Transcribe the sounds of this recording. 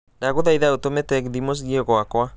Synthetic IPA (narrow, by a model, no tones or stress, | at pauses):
daɣuðajðaːwt̪omet̪eːkd̪imosɣioɣoakoa